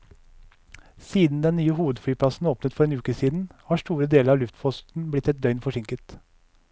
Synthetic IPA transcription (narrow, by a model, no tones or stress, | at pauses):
siːd̪n̩d̪ɛnnyːəhuːʋəd̪fɽyːpʰlɑsn̩oːpnət̪fɔɾeːnʉːkəsiːd̪n̩hɑːʂtuːɾəd̪eːləɾɑːlʉft̪fɔst̪n̩blɪt̪ːɛt̪̚d̪œʏnfɔʂɪŋkət̪